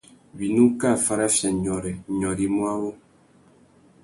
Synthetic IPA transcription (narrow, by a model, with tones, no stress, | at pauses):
bi˨nu˦ka˦˨fa˦ɾa˦fja˨ɲɔ˨ɾɛ˨ɲɔ˨ɾi˨mwa˦wo˦